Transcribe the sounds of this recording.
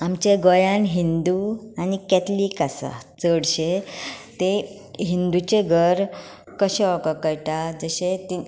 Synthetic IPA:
amt͡ɕeɡɔjãnɦind̪uanikɛt̪likasa̰t͡səɽɕet̪e | ɦind̪ut͡ɕeɡʱəɾ | kəɕeʋɔkakəjʈad͡zəɕet̪i

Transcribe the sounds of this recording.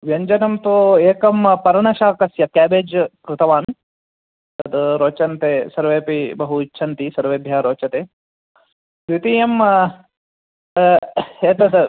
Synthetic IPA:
ʋjɐɲd͡ʒɐnɐmt̪oːeːkɐmpɐɾɳɐʃaːkɐsjɐkæːbeːd͡ʒkɾɪt̪ɐʋaːn | t̪ɐt̪ɾoːt͡ʃɐnt̪eːsɐɾʋeːpibɐɦuit͡ʃːʃʰɐnt̪isɐɾʋeːbʱjaːɾoːt͡ʃɐt̪eː | sɾit̪iːjɐm | eːt̪ɐ

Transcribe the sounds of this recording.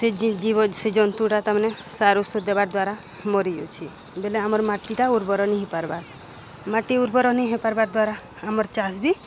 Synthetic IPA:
seid͡ʒibɔsed͡ʒɔnt̪uʈat̪amane | saɾusɔd̪ebaɾd̪waɾa | mɔɾijṵt͡ʃʰi | beleamɔɾmaʈiʈauɾbɔɾɔniɦipaɾbaɾ | maʈiuɾbɔɾɔniɦepaɾbaɾd̪waɾaː | mɔɾt͡ʃasbi

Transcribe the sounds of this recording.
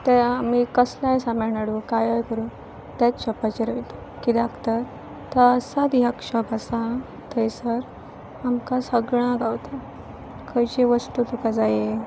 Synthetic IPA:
t̪eamikəslajsaməɭɳaɽukajajkəɾuːn | t̪at͡sɕɔpat͡ɕeɾəjt̪o | kid̪akt̪əɾ | t̪əəsad̪iɦakɕɔbasa | t̪ʰəjsəɾ | amkasəɡɭ̃ãɡawt̪a | kʰəjt͡ɕeʋəst̪ut̪ukad͡zaje

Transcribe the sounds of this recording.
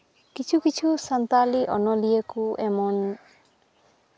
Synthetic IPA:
kit͡ʃʰukit͡ʃʰusant̪aliʔɔ̰nɔlijekuɛmɔn

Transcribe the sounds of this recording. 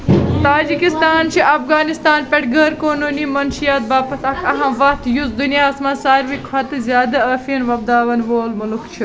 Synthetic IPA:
t̪aːd͡ʒikist̪aːnt͡ʃʰiʔɐfɣaːnist̪aːnpʲɐʈʰɡɐɾkoːnuːniːmɐnʃijaːt̪̚baːpɐsɐkʰɐɦãːʋɐht̪juzd̪unijaːsmãːsaːɾʋikʰʋɐt̪ɨzjaːd̪ɐɐfiːnʋɐb̚d̪aːʋɐnʋoːlmʊlukt͡ʃʰi

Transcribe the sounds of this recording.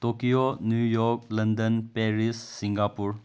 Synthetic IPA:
tokijonjujɔklɐnd̪ənpeɾisːiŋɡapuɾ

